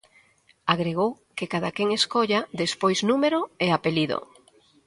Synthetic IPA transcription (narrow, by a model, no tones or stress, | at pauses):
aɣɾeɣ̞ow | kekaðakeŋeskoʎaðespojznumeɾoeapeliðo̰